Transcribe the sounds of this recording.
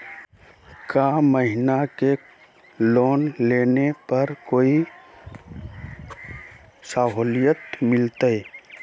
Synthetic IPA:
kaːməɦɪnake | loːnleːnepəɾkoːi | saɦoːlijət̪mɪlt̪əe

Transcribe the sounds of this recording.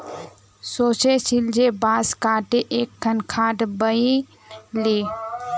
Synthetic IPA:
soːt͡ʃesɪld͡ʒebaːskaːʈeʔeːkʰːənkʰaːʈbəi | liː

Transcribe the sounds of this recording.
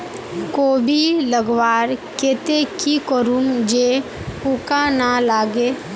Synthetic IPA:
koːbʱiləɡwaːɾket̪ekikəɾumd͡ʒe | ukanalaːɡeː

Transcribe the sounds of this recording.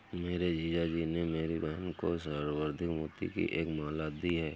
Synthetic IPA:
meːɾed͡ʒiːd͡ʒad͡ʒinemeːɾibɛɦɛnkosəɾʋəɾd̪ʱɪkmuːt̪ḭkḭʔeːkmaːlaːt̪̚d̪iɦɛː

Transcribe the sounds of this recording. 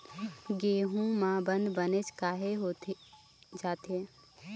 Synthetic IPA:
ɡeːɦũmãːbə̃nd̪bənet͡ʃkaːɦeɦoːt̪ | d͡ʒaːt̪eː

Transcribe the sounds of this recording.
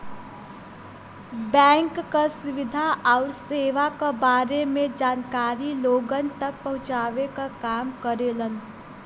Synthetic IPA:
bəŋkːəsuʋid̪ʱaʔaʊɾseʋakəbaɾemed͡ʒankaɾiloɡənt̪ək̚pəɦũt͡ʃabekəkamkəɾelən

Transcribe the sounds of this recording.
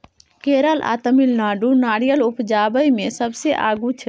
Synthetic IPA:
keɾəla̰t̪əmilnaɖunaɽijəlupd͡ʒabəjmesəbseʔa̰ɡut͡ʃʰ

